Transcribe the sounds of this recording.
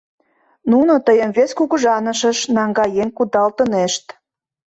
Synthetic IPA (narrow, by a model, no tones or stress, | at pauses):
nunot̪əjəmveskuɣəʒɑnə̆ʃə̆ʃnɑŋɡɑjeŋkud̪ɑlt̪ə̆neʃt̪